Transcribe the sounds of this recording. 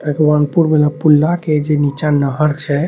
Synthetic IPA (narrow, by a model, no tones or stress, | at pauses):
pəkbanpuɾmeləpulːaked͡ʒenit͡ʃanəɦəɾt͡ʃʰɛ